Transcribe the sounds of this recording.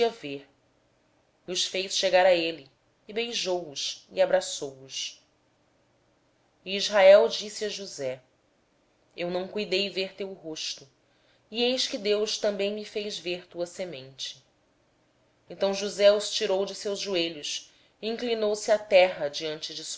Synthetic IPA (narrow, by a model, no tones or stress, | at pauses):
ɐveɾ | ʊsfejsʃeɡaɾɐelɪː | bejʒowʊʃiabɾasowʊs | iizɦaɛwd͡ʒisiɐʒuzɛ | ewnɐ̃w̃kujd̪ejveɾt̪ewɦoʃt̪u | iejʃkɪd̪ewʃt̪ɐ̃mbẽj̃mifejzveɾt̪uɐsemẽnt͡ʃɪ̥ | ẽnt̪ɐ̃w̃ʒuzɛʊst͡ʃiɾowd͡ʒɪsewzʒueʎʊs | iĩŋklinowsɪat̪ɛɦɐd͡ʒiɐ̃nt͡ʃɪd͡ʒɪs